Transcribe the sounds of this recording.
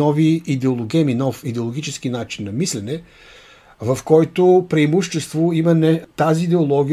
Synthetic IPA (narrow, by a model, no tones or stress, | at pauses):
ɔviːd̪ɛolˠoɡɛminɔfid̪ɛolˠoɡʲit͡ʃɛskinat͡ʃinːɐmislɛnɛ | vɐfkɔjt̪opɾɐimuʃt͡ʃɛst̪voimɐnɛt̪aziːd̪ɛolˠɔɡʲi